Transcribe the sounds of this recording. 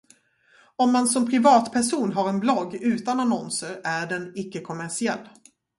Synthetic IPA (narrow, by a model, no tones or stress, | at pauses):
ɔmːansɔmpʰɾɪvɑːt̪pʰæʂuːnɦaɾɛnblɔɡːʉ̟ːt̪ananɔnsəɾæɖɛnɪkːəkʰɔmæʂɪɛlː